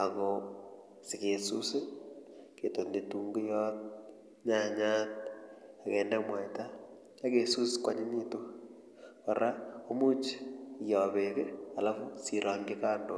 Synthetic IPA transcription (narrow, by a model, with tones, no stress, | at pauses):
a˨ɣɔ | sɪ˨ke˨su˦se˦ke˨tonde˨tu˨ŋɡu˦jɔ˦n | ɲa˦ɲa˦t̚a˨kɛ˨ndamwa˨jta˦ | a˦ke˨su˦skwa̰˦ɲɪ˦ni˦to˦ | ka˨ɾʔa˦o˦mu˦t͡ʃjɔ˨βe˨kea˨la˦fʊ˦siɾa˨ŋɡɪka˦ndo˨